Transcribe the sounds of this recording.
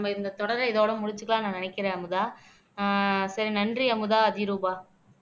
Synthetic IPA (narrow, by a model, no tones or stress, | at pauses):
ɐmɐɪnd̪ɐt̪ɔɽɐɾɪðoːɽɐmʊɽɪɲt͡ʃːɯkːɐɭãːnãːnɪnɐkːɪɾẽːɐmɯðaː | sɐɾinɐndriɐmɯðaːɐðɪjɾuːbaː